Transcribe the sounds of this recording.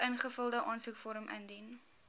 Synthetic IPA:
ʔənχəfəlˠdəʔɑːnsukfɔɾəmə̰ndin

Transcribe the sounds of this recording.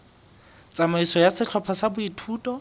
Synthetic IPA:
t͡sʼamaisɔjasɪt͡ɬʰɔpʰasabʊitʰuːtʼɔ

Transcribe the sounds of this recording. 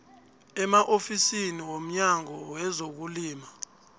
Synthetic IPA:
ɛmaʔofisiniwom̩ɲaŋɔwɛzok̬uliːma

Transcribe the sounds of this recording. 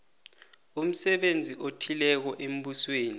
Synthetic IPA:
um̩sɛɓend͡zʱiʔotʰilɛk̬ɔʔem̩ɓusweːni

